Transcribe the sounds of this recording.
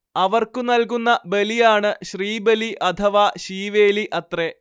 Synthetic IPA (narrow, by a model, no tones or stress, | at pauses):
ɐʋɐrkunɐlk̬unːɐbe̞lijaːɳɨɕriːbeliʔɐt̪ʰɐʋaːɕiːʋe̞ːliʔɐt̪re